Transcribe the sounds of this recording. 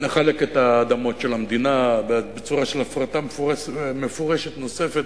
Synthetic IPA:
neχaleket̪aːd̪amo̞tʃelamd̪inabbet͡suʁaʃelafʁat̪ammefoʁeʃet̪no̞se̞fet̪

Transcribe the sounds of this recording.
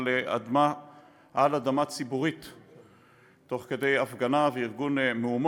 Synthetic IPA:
lea̰d̪ma | ʔalad̪amat͡sibuʁit | o̞χke̞de̞jafɡanaveiʁɡunmeum

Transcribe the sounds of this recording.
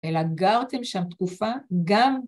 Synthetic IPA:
elaɡaʁt̪emʃamt̪kufaɡam

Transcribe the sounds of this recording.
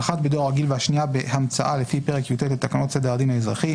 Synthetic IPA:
χat̪bed̪o̞ʁaɡilveaʃniabehamt͡sa̰ʔalefipe̞ʁekjut̪etlet̪akano̞t̪se̞d̪eʁad̪inhaezʁaχi

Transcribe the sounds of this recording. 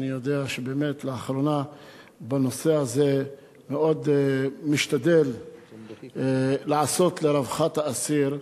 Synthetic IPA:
nijod̪eaʃebeːme̞t̪leaχɾona | banose̞aze | meʔo̞d̪miʃt̪ad̪el | aʕasot̪leɾavχat̪haːsiɾ

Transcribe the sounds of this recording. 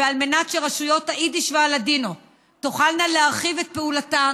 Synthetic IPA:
vealme̞natʃeʁaʃujo̞taidiʃvealadino | toχalnaleaʁχive̞t̪̚peulata

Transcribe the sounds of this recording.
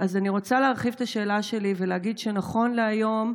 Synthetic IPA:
azaniʁo̞t͡saleaʁχivt̪aʃe̞ːlaʃe̞liveleaɡidʃenaχo̞nleajo̞m

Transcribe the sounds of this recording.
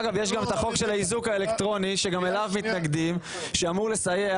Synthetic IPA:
ɡavje̞ʃ̬ɡamet̪aχo̞kʃe̞laizukaele̞kt̪ʁo̞niʃe̞ɡamelavmit̪naɡd̪im | ʃeamuʁle̞saje

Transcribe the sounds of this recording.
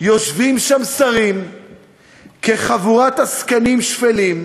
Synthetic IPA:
jo̞ʃvimʃamsaʁim | keχavuʁat̪askanimʃfelim

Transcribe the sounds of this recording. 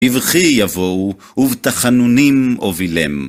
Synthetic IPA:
ivχijavou | uvt̪aχanunimovilḭm

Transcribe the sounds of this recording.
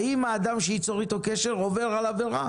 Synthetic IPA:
imaːd̪amʃeit͡soʁit̪o̞keʃeʁovelalaveʁa̰

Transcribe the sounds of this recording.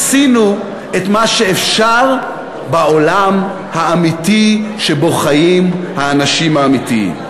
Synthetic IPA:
sinu | etmaʃeefʃaʁ | baolam | haːmitiʃebo̞χajimhaːnaʃimhaːmitḭ

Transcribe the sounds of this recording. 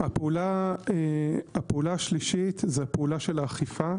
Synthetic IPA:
hapeulaeapeulaaʃliʃit̪zehapeulaʃelaːχifa

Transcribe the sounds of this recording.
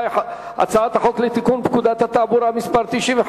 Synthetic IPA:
ɐ̰t͡saːt̪aħoklit̪ikunbkud̪at̪at̪abuɾamispɐɾt̪iʃim

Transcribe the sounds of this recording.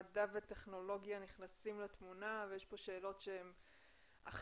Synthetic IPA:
davete̞χno̞lo̞ɡjaniχnasimlat̪munavejeʃpo̞ʃe̞ːlo̞tʃeem | a̰χ

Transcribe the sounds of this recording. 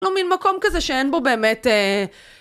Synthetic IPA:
lominmako̞mkazɛʃeenbo̞be̞ːmete

